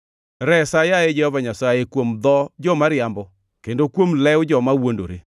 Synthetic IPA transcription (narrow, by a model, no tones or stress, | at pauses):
ɾɛsajaed͡ʒɛhɔvaɲasajekwomd̪ɔd͡ʒɔmaɾɪambɔ | kendokwomlɛwd͡ʒɔmawondo̰ɾe